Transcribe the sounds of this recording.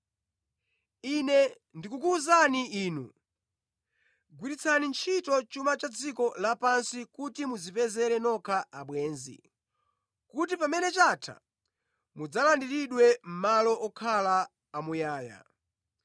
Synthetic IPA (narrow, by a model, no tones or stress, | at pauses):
inɛ | ndikukuzaniiːnu | ɡwiɾit͡sʰanint͡ʃʰitɔt͡ʃumat͡ʃad͡zikɔlapansikutimuzipɛzɛɾɛnɔkʰaʔaɓwɛːnzḭ | kut̬ipamɛnɛt͡ʃatʰa̰ | mud͡zalandiɾiɗwɛm̩malɔʔɔkʰalaː | mujaːja̰